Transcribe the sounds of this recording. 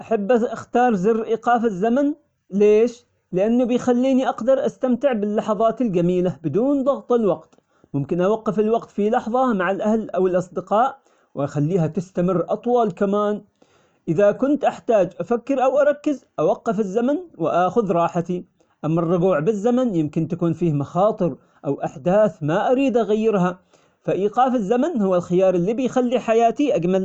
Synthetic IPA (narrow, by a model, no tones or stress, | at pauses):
ʔaħabːʔʔaxt̪ɑːɾˤzɪrːʔiːqɑːfazːaman | leːʃ | lɪʔanːʊbɪjxalːiːniʔɑqd̪ɑɾˤʔast̪amt̪ɪʕbɪlːɑħɑðˤɑːt̪ɪld͡ʒamiːlabɪd̪uːnd̪ˤɑɣt̪ˤɪlwɑqt̪ | mʊmkɪnʔawɑqːɪfɪlwɑqt̪filɑħðˤɑmaʕalʔahlʔawɪlʔɑsˤd̪ɪqɑːʔ | wɪxalːiːɦat̪ɪst̪amɪrːʔɑt̪ˤwɑːlkamaːn | ʔɪðakʊnt̪ʔaħt̪aːd͡ʒʔafakːɪɾʔawʔɑɾˤɑkːɪzʔawɑqːɪfɪzːamanwɪʔaːxʊðɾˤɑːħat̪i | ʔamːarˤːʊɡuːʕbɪzːamanjɪmkɪnt̪akuːnfiːhmɑxɑːt̪ˤɨɾ | ʔawʔaħd̪aːθmaʔaɾiːd̪ʔaɣajːɪɾɦa | faʔiːqɑːfɪzːamanhʊwːalxɪjɑːɾˤɪlːiːbɪjxalːiħajaːt̪iʔad͡ʒmal